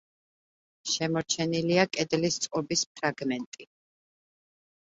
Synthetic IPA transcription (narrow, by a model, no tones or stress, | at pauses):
ʃɛmɔɾt͡ʃʰɛniliakʼɛd̪list̪sʼqʼɔbisp̚ʰɾaɡmɛnt̪ʼi